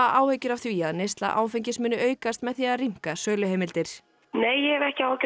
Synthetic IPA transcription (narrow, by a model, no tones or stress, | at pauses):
aʔaːwhœɥcʏɾavθviːaðnest̪la̰ʔa̰ːwfɛjɲcɪsmɪːnʏœːɥkast̪mɛðθiaðariŋ̥kasœːlʏheːmɪlt̪ɪɾ̥ | neːjɛɛvɛhcɪac